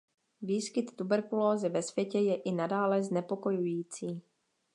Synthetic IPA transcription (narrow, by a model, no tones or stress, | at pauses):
viːskɪt̪ːubɛɾkuloːzɪvɛsvjɛcɛjɛʔɪnadaːlɛznɛpo̞ko̞jujiːt͡siː